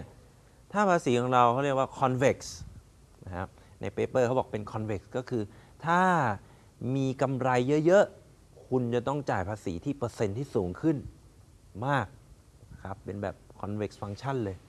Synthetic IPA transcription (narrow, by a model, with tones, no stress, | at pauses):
t̪ʰaː˥˩pʰaː˧siː˩˦kʰɔ˨˩˦ŋɾa˧wkʰa˦˥wɾi˥˩əkwaː˥˩kʰɔ˧nwe˨˩k̚s | na˦˥kʰa̰˦˥p̚nʔa˧jpeː˦˧pɤː˥˩ka˦˥wbɔː˨˩k̚pe˧nkʰɔ˧nwe˨˩k̚skɔː˥˩kʰɯː˧t̪ʰaː˥˩ | miː˧ka˧mɾa˧jːɤ˦˥ʔjɤ˦˥ʔ | kʰu˧nt͡ɕa˨˩t̪ɔ˥˩ŋt͡ɕaː˨˩jpʰaː˧sḭː˩˦t̪ʰiː˥˩pɤː˧se˧nt̪ʰiː˥˩suː˩˦ŋkʰɯ˥˩n | maː˥˩k̚ | n˥kʰa˦˥pːe˧nbɛː˨˩p̚kʰɔ˧nwe˨˦˩k̚sfa˧ŋt͡ɕʰa˥˩nlɤː˧j